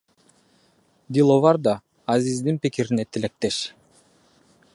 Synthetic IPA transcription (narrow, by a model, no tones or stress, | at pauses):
d̪ilˠovɑɾd̪ɑː | zizd̪inpikiɾinet̪ʰilek̚t̪eʃ